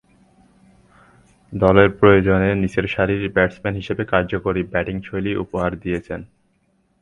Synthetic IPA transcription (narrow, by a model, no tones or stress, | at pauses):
d̪ɔleɾpɾojod͡ʑonenit͡ɕeɾʃaɾiɾbɛʈsmɛnɦiʃebekaɾd͡ʑokoɾibɛʈiŋʃʰojliʔṵpoɦaɾd̪ijet͡ɕʰen